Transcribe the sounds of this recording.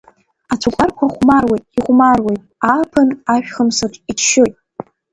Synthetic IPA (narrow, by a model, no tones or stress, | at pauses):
at͡sʷʰukʷʼarkʷʰaχʷmarwejtʼiχʷmarwejtʼaːpʰɨnaʃᶣχəmsaʈ͡ʂʼit͡ʃʰʃojtʼ